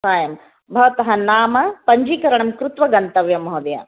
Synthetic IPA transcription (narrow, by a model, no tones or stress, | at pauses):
saːjɐm | bʱɐʋɐt̪ɐɦɐnaːmɐpɐɲd͡ʒiːkɐɾɐɳɐmkɾut̪ʋɐɡɐnt̪ɐʋjɐmɐɦod̪ɐjɐ̰